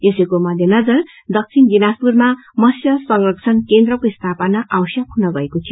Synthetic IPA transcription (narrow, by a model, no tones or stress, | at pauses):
esekomʌd̪ʱjʌnʌd͡zʌr | d̪ʌk̚t͡sʰind͡zinaspurma | mʌsjʌsʌŋrʌk̚t͡sʰʌnkend̪rʌkoist̪ʰapʌnaʔawsjʌk̚hunʌɡʌekot̪ʰijo